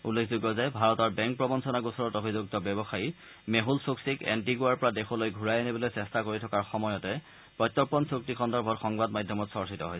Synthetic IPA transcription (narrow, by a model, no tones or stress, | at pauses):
ulːekʰzuɡɔzɛbʱaɹɔtɔɹbɛŋk̚pɹɔbɔnsɔnaɡusɔɹɔtobʱizuɡ̚tɔbɛbɔxaji | meɦulsoksikɛ̰ntiɡuaɹpɔɹadexɔlojɡʱuɹajanibɔlojsɛstakoɹitʰɔkaɹxɔmɔjɔtɛ | pɹɔjtːɔpɔnsok̚tikʰɔndɔɹbʱɔtxɔŋbadmadʱjɔmɔtsɔɹsitɔɦɔjs